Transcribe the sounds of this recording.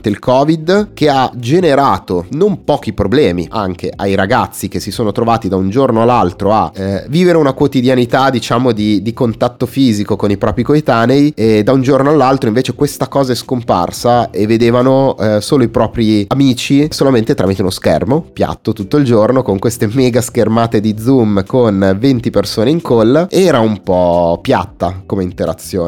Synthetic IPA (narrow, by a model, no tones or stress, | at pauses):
t̪eilkʰɔːvid̪k̟ead͡ʒeneɾaːt̪onompɔːk̟ipɾoblɛːmḭʔa̰ŋk̟eʔajɾaɡat̪sːikesisoːnot̪ɾovaːt̪id̪aund͡ʒornoalːalt̪ɾoa̰viːveɾeunakwot̪id̪janit̪ad̪it͡ʃaːmod̪id̪ikont̪at̪ːofiːzikokonipɾɔːpɾikoet̪aːnejed̪aund͡ʒornoalːalt̪ɾoiɱveːt͡ʃekwest̪akɔːzaɛskompa̰rsaevːed̪eːvanosoːloipɾɔːpɾiamiːt͡ʃisolament̪et̪ɾa̰mit̪eunoskɛ̰rmopja̰t̪ːot̪ut̪ːoild͡ʒornokoŋkwest̪emɛːɡaskermaːt̪ed̪id̪zumkonvent̪ipersoːneiŋkolːeɛːɾaumpɔpja̰t̪ːakomeint̪eɾa̰t̪sːjoːn